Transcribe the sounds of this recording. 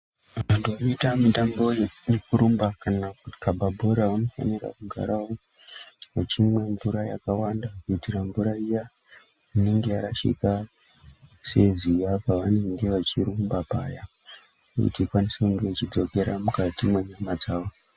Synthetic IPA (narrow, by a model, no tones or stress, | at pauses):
ʋantuanoitamitambo̞jjekuɾumbakanakukabʱabʱo̞ɾauno̞fa̰nira̰kuɡʱa̰ɾao | ʋat͡ʃimwe̞ɱvuɾaja̰kawandakitiraɱvuɾaija | uneŋɡeaɾaʃḭka | se̞zijapaʋane̞ŋɡe̞ʋat͡ʃiɾumbapaːja | ṵtikwanisekuŋɡe̞t͡ʃid͡zo̞ke̞ɾamukatimwaɲamad͡zaːwo